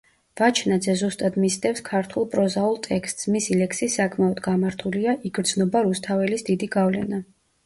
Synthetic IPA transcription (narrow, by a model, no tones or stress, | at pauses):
v̥at͡ʃʰnad̪zɛzust̪ʼad̪misd̪ɛfskʰaɾt̪ʰulˠpʼɾɔzaulˠt̪ʼɛkst̪ʼsmisilɛksisakʰmɛɔd̪ɡamaɾt̪ʰuliaʔiɡɾd̪znɔbaɾust̪ʰavɛlisd̪id̪iɡavlɛ̰na